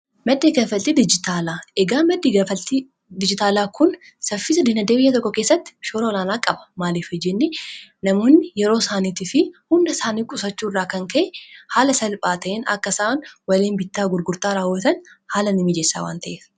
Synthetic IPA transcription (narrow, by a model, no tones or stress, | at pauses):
mɐd̪ːeːɡɐfɐlt̪id̪ɪd͡ʒɪt̪aːlaːɛɡaːmɐd̪ːiɡɐfɐlt̪i | d̪ɪd͡ʒɪt̪aːlaːkʰʊn | sɐfɪːsɐd̪ɪnɐd̪eːbɪjːɐt̪ɔkːɔkeːsːɐt̪ːɪ̥ʃoːɾɐɔlaːnaːkʼɐbɐ̥maːliːfɔd͡ʒɛnːɪnɐmoːnːɪjɛɾo̞ːsaːniːt̪ɪfɪhʊmnɐsaːniːkʼʊsɐt͡ʃːuːrːaːkɐŋkɐʔɛhaːlɐsɐlpʼaːt̪ɐʔeːnɐ̰kːɐsaːnwɐleːnbɪt̪ːaːɡʊɾɡʊɾt̪aːɾaːwɐt̪ɐnhaːlɐnɪmɪd͡ʒeːsːa̰ːwa̰ːnt̪ɐʔeːf